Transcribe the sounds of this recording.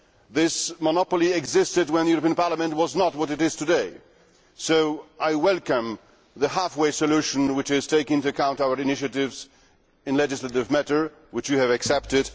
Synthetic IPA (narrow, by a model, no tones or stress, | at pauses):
ðɪsmənɑpl̩ˠiɨɡzɪstɨd̚wə̃nðɨjʊɹəpĩnpɑɹləmɨ̃nt̚wʌznət̚wʌɾɨɾɪz̥tʰɨdeɪ | soʊʔaɪwɛlˠkə̃m | ðɨhæfweɪsɨlʉʃɨ̃n̩wɨt͡ʃɪz̥tʰeɪkɪ̃ŋtuɨkʰãʊ̃ntaʊə˞ɨnɪʃɨɾɪvz | ɨ̃nlɛd͡ʒɨsləɾɨvmæɾə˞ | wɨt͡ʃwɨɨvɨksɛp̚tɨd